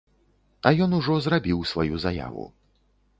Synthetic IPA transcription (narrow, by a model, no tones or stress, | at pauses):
ɐjɔnuʐɔzrabʲiwsvajuzaja̰vṵ